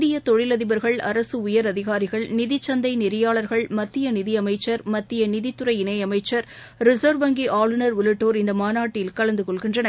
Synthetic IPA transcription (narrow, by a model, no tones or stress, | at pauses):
ðɪjɐt̪ɔɻɪlɐðɪbɐɾɣɐɭɐ̰ɾɐsɯʊjɐɾɐðɪɣaːɾɪɣɐɭnɪðɪt͡ʃːɐnd̪ɐɪnɪɾɪjaːɭɐɾɣɐɭmɐt̪ːɪjɐnɪðɪɐmɐɪt͡ʃːɐɾmɐt̪ːɪjɐnɪðɪt̪ːɯɾɐɪɪnɐjɐmɐɪt͡ʃːɐɾ | ɾɪsɐːɾʋɐŋɡiʔaːɭɯnɐɾʊlɪʈːoːɾɪnd̪ɐmaːnaːʈːɪjɪlkɐɭɐnd̪ɯkɔɭɣɪndrɐnɐ